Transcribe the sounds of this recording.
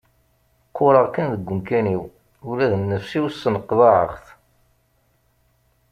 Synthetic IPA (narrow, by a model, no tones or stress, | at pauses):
qːʊɾˤəʁkænðəɡʷːəmkæniw | ʊlæðnːəfsiwsənəqðɑʕə̰χθ